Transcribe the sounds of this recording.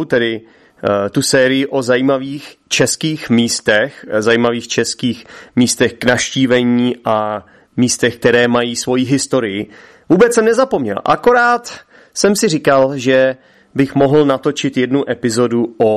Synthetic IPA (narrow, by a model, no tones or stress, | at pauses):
t̪ɛdɪ | t̪usɛːɾɪjɪʔo̞zajiːmaviːxt͡ʃɛskiːxmiːst̪ɛxzajiːmaviːxt͡ʃɛskiːxmiːst̪ɛxknafʃciːvɛɲiːʔa | miːst̪ɛxk̚t̪ɛɾɛːmajiːsvo̞jiɦɪst̪o̞ɾɪjɪ | vuːbɛt͡ssɛmnɛzapo̞mɲɛ̰lʔa̰ko̞ɾaːt̪ | sɛmsɪrɪkalʒɛ | bɪxmo̞ɦl̩nat̪o̞t͡ʃɪt̪jɛdnuʔɛpɪzo̞duo